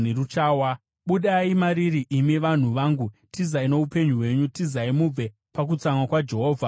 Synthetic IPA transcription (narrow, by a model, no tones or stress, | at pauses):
neɾut͡ʃaːwa | ɓuɗaimaɾiɾiʔimiʋan̤uʋaːŋɡutizaino̞upe̞ɲuwe̞ɲutizaimub͡ve̞ | pak̬ut͡samwakwad͡ʒe̞ɦoːvʱa